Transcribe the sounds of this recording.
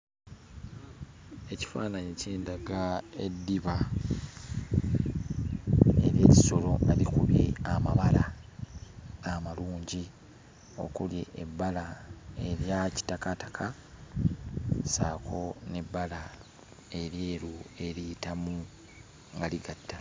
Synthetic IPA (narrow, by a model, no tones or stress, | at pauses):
e̞ci̥faːnaɲeceːndaɡaḛdːiβa | e̞̰ɾje̞ːci̥so̞lo̞alikuβjḛamaβala | ɡamaluːɲɟi | o̞̰kuljeʔːbːalae̞ɾjaci̥takatḁkʰa | saːkʰo̞nebːala | e̞ɾjeːɾue̞ɾitamu | ŋɡaliɡatːa